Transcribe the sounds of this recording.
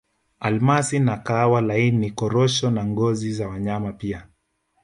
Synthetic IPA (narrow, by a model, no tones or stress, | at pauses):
almasinakawalainikɔɾɔʃɔnaŋɡɔzizawaɲamapia